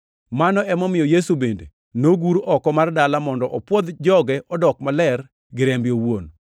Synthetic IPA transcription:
manɔɛmɔmɪjɔjesubendḛ | noɡuɾɔkɔmardalamɔndɔʔɔpwɔd̪d͡ʒɔɡɛʔɔdɔkmalɛr | ɡɪɾembjowon

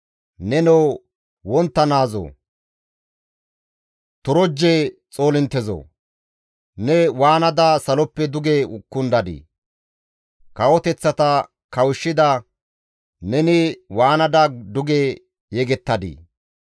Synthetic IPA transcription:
nɛnɛw | wɔnt̪ːɐnaːzo̰ː | t̪ʊɾɔd͡ʒːet͡sʼo̞ːlɪnt̪ːɛzo̰ː | nɛwaːnɐd̪asɐlɔpːɛd̪ʊɡeʊkːʊnd̪ɐd̪ḭ | kɐwɔt̪ɛt͡sːɐt̪ɐ | kɐwʊʃːɪd̪ɐ | nɛnɪwaːnɐd̪ɐd̪ʊɡe | jɛɡɛt̪ːɐd̪ḭː

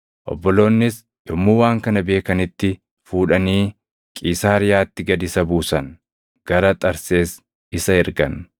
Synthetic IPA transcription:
ʔɔ̰bːɔlo̞ːnːɪs | jɔmːuːwaːŋkɐnɐbe̞ːkɐnɪt̪ːɪ | fuːᶑɐniː | kʼiːsaːɾɪjaːt̪ːɪɡɐd̪ɪsɐbuːsɐn | ɡ̥ɐɾɐt̪ʼɐɾse̞ːs | ɪsɐɛɾɡɐ̰n

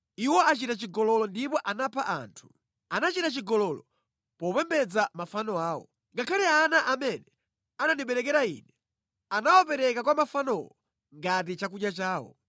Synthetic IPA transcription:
iwɔat͡ʃitat͡ʃiɡɔlɔlɔndipɔʔanapʰaʔa̰ːntʰu̥ | anat͡ʃitat͡ʃiɡɔlɔlɔ | pɔpɛmbɛd͡zamafanɔaːwɔ̰ | ŋɡakʰalianaʔamɛnɛ | ananiɓɛɾɛkɛɾaḭːnɛ | anawɔpɛɾɛkakwamafanɔwɔ | ŋɡat̬it͡ʃakuɗjat͡ʃaːwɔ̰

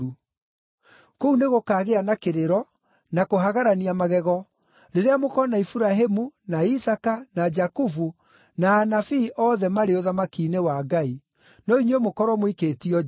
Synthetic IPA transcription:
u | kouneɣokaːɣeanakeɾeɾɔ | nakoɦaɣaɾaniamaɣɛɣɔ | ɾeɾeamokɔnaifuɾaɦemunaisakanad͡ʒakufu | naːnafiʔɔːðɛmaɾeoðamakiːnewaɡai | nɔiɲwemokɔɾwɔmwiketiɔ

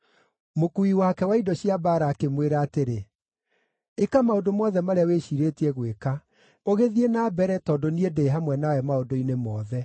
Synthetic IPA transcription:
mokuiwakɛwaidɔɕiabaɾakemweɾaːteɾe | ekamaodomɔðɛmaɾeaweʃiɾetiɛɣweka | oɣeðienaːbɛɾɛtɔːdoniedeːɦamwɛnawɛmaodoinemɔːðɛ

